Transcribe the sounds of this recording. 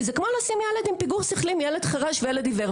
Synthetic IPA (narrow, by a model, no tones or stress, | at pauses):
zekmolasimjeled̪impiɡuʁsiχlimjeled̪χaʁaʃvejeled̪iveʁ